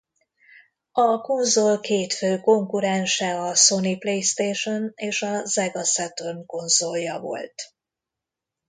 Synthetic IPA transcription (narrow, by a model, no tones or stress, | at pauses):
ɒko̞nzolkeːt̪føːko̞ŋkuɾɛnʃɛɒso̞niplejst̪eːʃo̞neːʃɒzɛɡɒsɛt̪onko̞nzoljɒvo̞̰lt̪